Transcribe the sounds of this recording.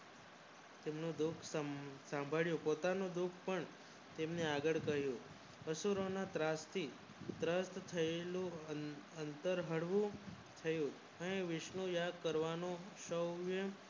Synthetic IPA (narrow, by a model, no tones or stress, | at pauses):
t̪emnũd̪ukʰsəsãmbʱaɭjũpot̪anũd̪ukʰpəɳ | t̪emneaɡəɭkəɦjũ | əsuɾonat̪ɾast̪ʰi | t̪ɾəst̪t̪ʰəelũ | ənt̪əɾɦəɽʋũ | t̪ʰəjũ | əneʋɪʃnũjaɡ̚kəɾʋanõʃəwʋjə